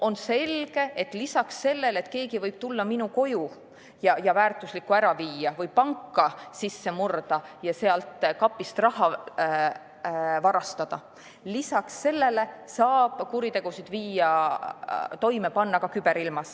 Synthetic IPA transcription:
o̞nse̞lɡ̥e̞et̪ːˑlisɑksːe̞lːe̞le̞t̪ke̞ːɡivɤjb̥̚t̪ulːɑminuko̞ju | jɑjɑvæːrt̪ˑuslikːˑuæɾɑviːɑvɤjpɑŋkːɑsisːe̞murd̪̥ɑjɑse̞ɑlt̪ˑkɑpːˑist̪rɑɦɑ | vɑɾɑst̪ɑd̪̥ɑ | lisɑksːe̞lːe̞le̞sɑːb̥kuɾit̪e̞ɡ̥usid̪viːɑ | t̪o̞jmepɑnːɑkɑkyb̥e̞ɾilmɑs

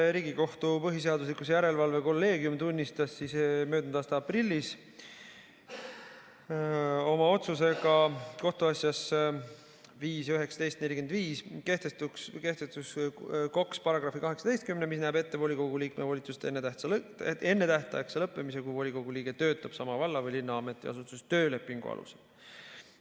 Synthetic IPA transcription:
ɾiːɡ̥iko̞ht̪upɤɦis̬e̞ɑd̪us̬likusjæɾe̞lvɑlve̞ko̞lːe̞ːɡjumt̪unʲːist̪ɑsːismø̞ːd̪nd̪ɑːst̪ɑɑprilʲːis | o̞mɑo̞t̪suse̞ɡ̥ɑko̞ht̪uɑsʲjɑs | viːsjyɦe̞ksɑ̥d̪e̞jst̪ne̞lʲikend̪viːske̞ht̪est̪ukske̞ht̪est̪uskɑkspɑɾɑɡ̥rɑfikɑɦeksɑd̪e̞jst̪̚kymnemisnæːbe̞t̪ːe̞vo̞lʲiko̞ɡuliːkmevo̞lʲit̪sust̪enːet̪æ | e̞nːe̞t̪æht̪ɑekselɤpˑːe̞mise̞kujvo̞lʲiko̞ɡuliːɡ̥e̞t̪ø̞ːt̪ːˑɑb̥sɑmɑvɑlːɑvɤjlinːɑɑme̞t̪ːˑiɑ̰sut̪ːˑust̪ø̞ːle̞pːˑiŋɡ̥ṵɑ̰lṵse̥̰l

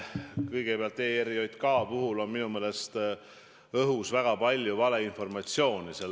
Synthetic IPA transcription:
kɤjɡ̥epeɑlt̪ːˑe̞ːeɾio̞jt̪kɑːpuɦulo̞nminumeːle̞st̪ | ɤɦusvæɡ̥ɑpɑlʲjuvɑle̞info̞rmɑt̪sio̞ːnisel

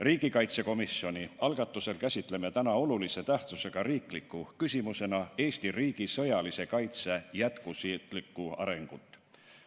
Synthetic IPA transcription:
riːɡ̥ikɑjt̪se̞ko̞misio̞nʲiɑlɡ̥ɑt̪ˑːuse̞lkæsʲit̪ˑle̞me̞t̪ænɑo̞lulise̞t̪æht̪suse̞ɡ̥ɑɾriːklikˑːukysʲimuse̞nɑe̞ːsʲt̪iriːɡ̥isɤ̞jɑlise̞kɑjt̪se̞jæt̪kusit̪ˑlikːˑuɑ̰ɾe̞ŋɡ̥ut̪ːˑ

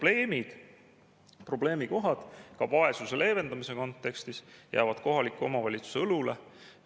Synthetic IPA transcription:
le̞ːmid̪̥ | pro̞ble̞ːmiko̞ɦɑd̪̥kɑvɑe̞suse̞lʔe̞ːve̞nd̪ɑmise̞ko̞nt̪ːˑe̞kst̪isjæ̰ːvɑd̪̥ko̞ɦɑlʲikːˑuo̞̰mɑvɑlʲit̪su̥seɤlule

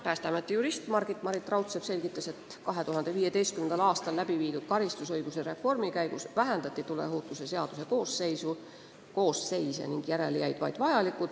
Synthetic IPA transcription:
pæːst̪ɑmɑt̪ːˑejuɾist̪mɑrɡ̥it̪ːˑmɑɾit̪ːˑrɑwt̪sev̥se̞lɡit̪ːˑɑse̞t̪ | kɑɦe̞t̪uɦɑnd̪e̞viːje̞t̪e̞jst̪kymend̪ɑlɑːst̪ɑllæbiviːd̪̥ud̪̥̚kɑɾist̪usɤjɡ̥useɾe̞fo̞rmikæjɡ̥usvæɦænd̪ɑt̪ːˑit̪ule̞̰ɦoːt̪ːˑuse̞se̞ɑd̪̥use̞ko̞ːsːe̞jsu | ko̞ːsːe̞jsḛniŋɡ̥jæɾe̞lejæjd̪̥vɑ̰jd̪̥vɑjɑlikːˑud̪̥

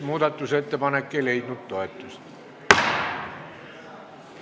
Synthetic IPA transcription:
muːd̪ɑt̪ːuse̞t̪ːepɑnekːeilejd̪nut̪t̪o̞et̪ːˑust̪

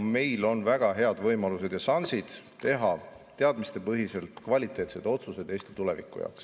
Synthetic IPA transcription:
me̞jlo̞nvæɡ̥ɑɦe̞ɑd̪̥vɤjmɑluse̞d̪̥jɑsɑnsid̪̥ | t̪e̞ɦɑ | t̪e̞ɑd̪mist̪e̞pɤɦise̞lt̪ˑkvɑlʲit̪ˑe̞ːt̪se̞d̪̥o̞t̪suse̞d̪̥e̞ːst̪i̥t̪ule̞vḭkːˑṵjɑ̰wks

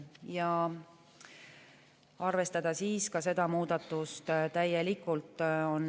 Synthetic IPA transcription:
jɑ | ɑrve̞st̪ɑd̪̥ɑsiːskɑse̞d̪̥ɑmuːd̪̥ɑt̪ːˑust̪t̪æjelikːˑult̪ˑo̞n

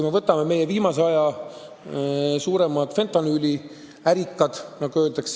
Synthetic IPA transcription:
jmevɤt̪ːˑɑmeme̞je̞viːmɑseɑjɑ | suːɾemɑd̪̥fe̞nt̪ɑnylʲi | æɾikːˑɑd̪̥nɑɡ̥uø̞ːld̪ɑks

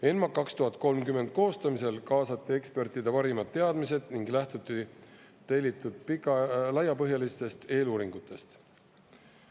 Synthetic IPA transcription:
e̞nmɑkɑkst̪uɦɑt̪̚ˑko̞lmkymːe̞nd̪̥̚ko̞ːst̪ɑmise̞lkɑːsɑt̪ːˑie̞kspe̞rt̪id̪epɑɾimɑd̪ːe̞ɑd̪mise̞d̪̥niŋɡlæht̪ut̪ːˑi | t̪ejlit̪ːˑud̪̥̚pikɑlɑjːɑpɤɦjɑlist̪e̞st̪e̞ːluːɾiŋɡ̥ut̪ːˑe̞st̪

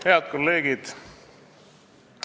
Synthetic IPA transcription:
he̞ɑd̪̚ko̞lːeːɡ̥id̪̥

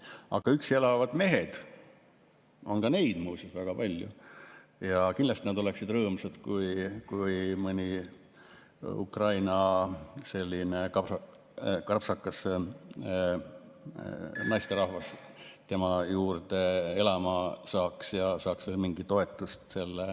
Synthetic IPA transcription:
ɑ̰ɡ̥ɑykse̞lɑvɑd̪̥me̞ɦe̞d̪̥ | o̞̰nɡɑne̞jd̪̥muːsusvæɡ̥ɑpɑlʲjṵ | jɑkinlːɑst̪ined̪o̞le̞ksid̪rɤːmsɑd̪̥kujkujmɨnʲi | ṵkrɑjnɑse̞lʲːinekɑpɑ | kɑrpsɑkːˑɑs | nɑjst̪e̞ɾɑhvɑs | t̪e̞mɑjuːrd̪e̞e̞lɑmɑsɑːksjɑsɑːksvelmiŋɡ̥it̪o̞e̞t̪ːˑust̪se̞lːe

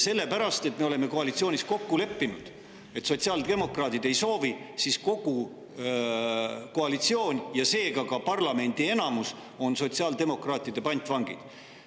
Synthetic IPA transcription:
se̞lːe̞pæɾɑst̪e̞t̪me̞ole̞mːe̞ko̞ɑlit̪sio̞ːnʲisko̞kːule̞pːinud̪̥ | e̞t̪so̞t̪ʲsiɑːld̪e̞mo̞krɑːt̪ˑid̪̥e̞jso̞ːvi | sisko̞ɡ̥u | ko̞ɑlit̪sio̞ːnʲjɑse̞ːɡɑkɑpɑrlɑme̞nʲd̪̥ie̞nɑmus | o̞nso̞t̪siɑld̪̥e̞mo̞krɑːt̪ːˑid̪̥e̞pɑnʲt̪ˑvɑŋɡ̥ḭd̪̥

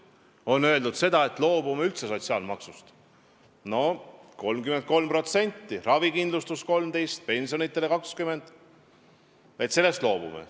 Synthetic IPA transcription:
o̞nːø̞ld̪ud̪se̞d̪ɑe̞t̪ːˑlo̞ːb̥umeylt̪se̞so̞t̪ʲsiɑ̰ːlmɑksust̪ | no̞ko̞lmkyment̪̚ko̞lmpro̞t̪se̞nʲt̪ːiɾɑvikind̪lust̪usko̞lmd̪e̞jst̪̚pe̞nʲsionit̪ːˑelekɑkskyme̞nd̪̥ | et̪se̞lːe̞st̪lo̞ːb̥ṵmḛ

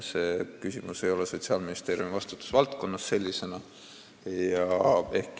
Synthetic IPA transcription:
se̞ːkysimuse̞jo̞le̞so̞t̪siɑːlminist̪e̞ːɾjumivɑst̪u̥t̪ːˑu̥svɑlt̪ko̞nːɑsːe̞lʲːise̞nɑ | jɑe̞hk

